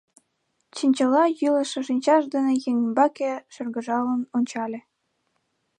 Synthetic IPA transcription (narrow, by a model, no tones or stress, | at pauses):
t͡ɕinʲt͡ɕɤ̆lɑjylə̆ʃĕʃinʲt͡ɕɑʃd̪ɤ̆nĕjeŋbɑkĕʃɤ̆rɡə̆ʒɑlə̆nonʲt͡ɕɑlʲĕ